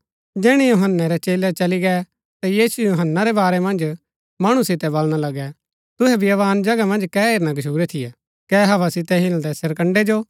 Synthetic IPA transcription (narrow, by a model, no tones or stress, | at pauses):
d͡ʒɛːɽ̃ijuɦənːaɾɛt͡ʃeːlɛt͡ʃɐliɡɛ | t̪ajiːsujoɦənːaɾɛbaːɾɛmɐ̃nd͡ʒ | mɐɽ̃ũsɪt̪ɛbɐlɽ̃alɐɡɛ | t̪ʊɦɛbʱiɐʋaːnd͡ʒɐɡamɐ̃nd͡ʒkɛːeːɾñaɡɐʃʰuːɾɛt̪ʰɪja | kɛːɦɐʋasɪt̪ɛɦɪnd̪ɛsɐɾkə̃ɳɖed͡ʒoː